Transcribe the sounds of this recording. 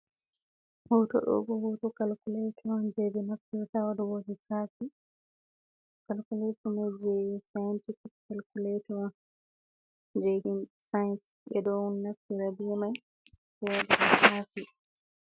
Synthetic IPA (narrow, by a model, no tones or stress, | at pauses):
hutɔ̰ɗɔ̰bɔwutɔkalkulɛtʰɔwand͡ʒeɡinaftiɔtawɔdɔwodisaːfi | kalkulɛtɔmɔd͡ʒɛɡisajntikitkalkulɛtɔwan | d͡ʒeɡinsajns | ɓɛ̰ɗɔunːaftiɾabimaj | ɗɛwodɛʔasaːfi